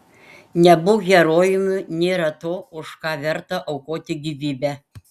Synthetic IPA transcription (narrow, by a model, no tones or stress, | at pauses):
nʲɛbʊɡʲɛɾoːjʊmʲʊnʲeːɾɐt̪oːʊʃkɑːʋʲɛɾt̪ɐʔɒʊkoːt̪ʲɪɡʲiʋʲiːbʲæ